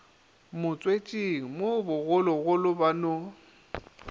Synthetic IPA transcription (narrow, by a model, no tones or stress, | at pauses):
mʊt͡sʼwet͡ʃʼiŋ̩mobʊɣʊlɔɣʊlʊbano